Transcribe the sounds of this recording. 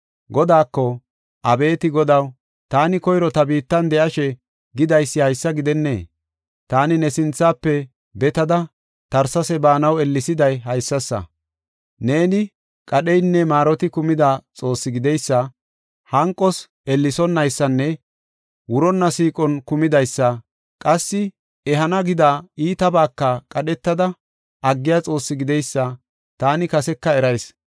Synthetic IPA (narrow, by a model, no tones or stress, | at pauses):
ɡɔd̪aːkːɔ | ʔɐbe̞ːt̪ɪɡɔd̪ɐw | t̪aːnɪkɔjɾɔt̪ɐbiːt̪ːɐnd̪ɛʔɐʃɛ | ɡɪd̪ɐjsːɪhɐjsːɐɡɪd̪ɛnːḛː | t̪aːnɪnɛsɪnt͡sːaːpːɛ | bɛt̪ɐd̪ɐ | t̪ɐɾsɐsɛbaːnɐwɛlːɪsɪd̪ɐjɦɐjsːɐsːɐ̰ | ne̞ːnɪ | kʼɐɗɛjnːɛmaːɾɔt̪ɪkʊmɪd̪at͡sʼo̞ːsːɪɡɪd̪ɛjsːɐ | hɐŋkʼːɔs | ɛlːɪsɔnːɐjsːɐnːɛ | wʊɾɔnːɐsiːkʼɔnkʊmɪd̪ɐjsːɐ | kʼɐsːɪ | ɛɦɐnɐɡɪd̪aːiːt̪ɐbaːkːɐkʼɐɗɛt̪ːɐd̪ɐ | ɐɡːɪjat͡sʼo̞ːsːɪɡɪd̪ɛjsːɐ | t̪aːnɪkɐsɛkːɐɛɾɐjs